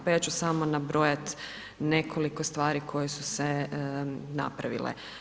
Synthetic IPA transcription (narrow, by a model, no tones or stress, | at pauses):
pajat͡ɕusamonabɾojat̪ | ne̞kʰo̞liko̞st̪ʋaːɾikʰo̞jesuse | na̰pɾaʋḭlḛ